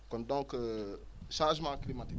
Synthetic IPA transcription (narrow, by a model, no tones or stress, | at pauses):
kɔ̃ndɔ̃k | ʃãːʒmãklimatik